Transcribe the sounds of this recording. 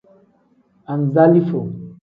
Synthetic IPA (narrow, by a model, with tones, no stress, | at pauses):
a˨n˨za˦li˦fo˨